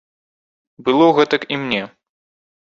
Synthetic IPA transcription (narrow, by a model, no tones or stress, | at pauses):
bɨlˠɔɣɛt̪ɐkimnʲɛ